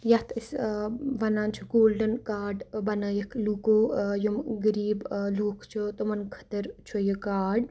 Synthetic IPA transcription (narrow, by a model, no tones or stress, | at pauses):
jɐt̪ʰɐsʋɐnaːnt͡ʃʰuɡoːlɖənkaːɖbɐnəjɐkʰluːkoːjomɡəɾiːbluːkʰt͡ʃʰut̪omɐnkʰɐ̥t̪ɐɾt͡ʃʰojəkaːɖ